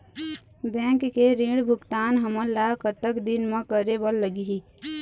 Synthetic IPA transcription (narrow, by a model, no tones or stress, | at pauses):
bɛ̃ːŋkkeɾĩɽbʱʊkt̪aːnɦəməɾlakət̪əkd̪inmə̃kəɾebəlːəɡiɦi